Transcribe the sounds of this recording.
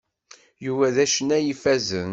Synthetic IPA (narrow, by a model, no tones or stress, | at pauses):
juvæðæʃənːæjifæzən